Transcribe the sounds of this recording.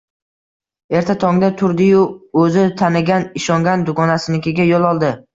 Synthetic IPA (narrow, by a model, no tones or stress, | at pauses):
e̞ɾt̪ʰat̪ʰɒŋd̪at̪ʰʊɾd̪ɪjʊɵzɪt̪ʰanɪɡʲanɪʃɒŋɡʲand̪ʊɡɒnasɪnɪkʲʰeɡʲajolˠɒlˠd̪ɪ